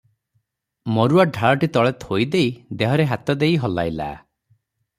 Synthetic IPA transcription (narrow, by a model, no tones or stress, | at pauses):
mɔɾuaɖʱaɭɔʈit̪ɔɭet̪hojd̪ejd̪eɦɔɾeɦat̪ɔd̪ejɦɔla̰jla̰